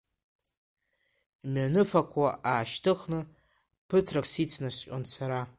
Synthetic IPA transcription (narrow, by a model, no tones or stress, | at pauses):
manɨfakʷʰaʔaːʃtʰɨχnɨ | pʰɨtʰraksit͡sʰnast͡ʃʼonsaɾa